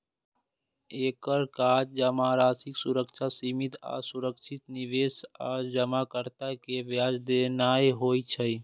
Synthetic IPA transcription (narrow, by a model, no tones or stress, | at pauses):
eːkəɾkaːd͡ʒd͡ʒəmaɾaːsɪksuɾəkt͡ʃʰasimit̪a̰suɾəkt͡ʃʰɪt̪niʋesa̰ːd͡ʒəmakəɾt̪akebjaːd͡ʒd̪enaːeɦoːt͡ʃʰəi